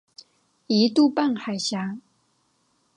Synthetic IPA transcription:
i˨˧˦t̪u˥˧pa˥˨nxa˨˩ɪɕja˨˦

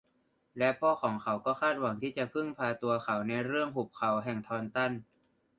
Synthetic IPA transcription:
lɛ˦˥pʰɔː˥˩xʰɔː˩˦ŋkʰa˩˦wkɔː˥˩kʰaː˥˩t̪̚wa˩˦ŋt̪ʰiː˥˩t͡ɕa˨˩pʰɯ˥˩ŋpʰaː˧t̪u˧ɐkʰa˨˩˦wna˧jɾɯ˥˩əŋhu˨˩p̚kʰa˨˦wɦɛː˨˩ŋt̪ʰɔː˧nt̪a˥˩n

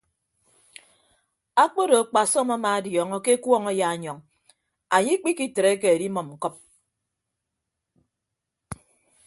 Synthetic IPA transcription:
a˦k͡po˦do˨k͡pa˨sɔ˦ma˦ma˨a˦djɔ˨˦ŋɔ˦ke˦e˦kwɔ˦ŋɔ˦ja˦a˨ɲɔ˨ŋ | a˨ɲi˦k͡pi˦ki˨tɾe˦ke˨e˨di˦mɔ˨mŋ̩˨kɔ˦p̚

